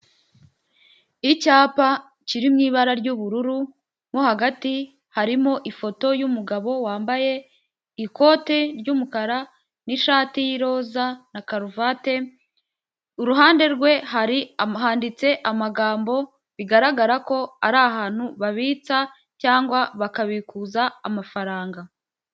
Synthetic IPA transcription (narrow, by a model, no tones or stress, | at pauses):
icaːpa | ciɾimŋiːβaɾaɾɟuβuɾuɾu | mohaɡati | haɾimoʔifo̞to̞jumuɡaβo̞waːmbaje̞ | iko̞ːte̞ɾɟumukaɾa | niʃaːtijiɾo̞ːzanakaɾuvate̞ | uɾuɦaːnde̞ɾɡwe̞ɦaɾiaɦaːndit͡se̞ʔamaɡaːmbo̞ | βiɡaɾaɡaɾako̞a̰ɾaːɦaːn̥huβaβiːt͡sa | caːŋɡwaβakaβikuzaːmafaɾaːŋɡa